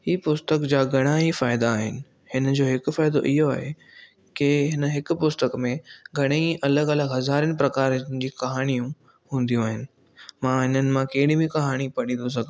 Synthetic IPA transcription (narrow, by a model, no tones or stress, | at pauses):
hiːpʊst̪əkd͡ʑaːɡʱɐɽ̃aːifaːɪd̪aːɦɪnɪ̆ | hɪnəd͡ʑoːɦɪkʊfaːɪd̪o̰ʔɪɦoaːɦe | kɪɦɪnə̆ɦɪkʊpʊst̪əkmẽɡʱɐɽ̃eʔɐləɡɐləɡɦɐzaːɾənɪ̆pɾɐkaːɾnɪd͡ʑiːkɐɦaːɽ̃ijũ | hũːn̆d̪ijũaːɦɪnɪ̆ | mãɦɪnənɪ̆mãkeɦɪɽĩbĩkɐɦaːɽ̃ipɐɽ̃ĩːnd̪os̬ɐɡʱ